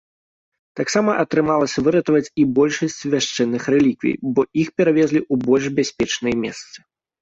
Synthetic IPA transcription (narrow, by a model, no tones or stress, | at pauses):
t̪aksamɐʔɐt̪ɾɨmalˠɐsʲɐvɨɾɐt̪ɐvɐt͡sʲibɔlʲʂɐsʲt͡sʲvʲaʂt͡ʂɛnːɨxɾɛlʲikvʲḭjbɔixpʲɛɾavʲɛzʲlʲiʔubɔlʲʐbʲasʲpʲɛt͡ʂnɨjɛmʲɛ̰st̪sɨ̥